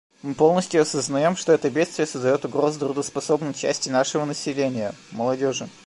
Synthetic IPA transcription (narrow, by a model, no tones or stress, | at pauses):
mɨpo̞lˠnəsʲtʲjʊɐsəznɐjo̞mʂt̪o̞ɛt̪əbʲet̪st̪vʲɪjəsəzd̪ɐjo̞t̪ʊɡɾo̞zɨd̪ɾʊd̪əspɐso̞bnɨt͡ɕæ̰sʲtʲɪnaʂɨvənəsʲɪlʲenʲɪjəməlˠɐdʲo̞ʐɨ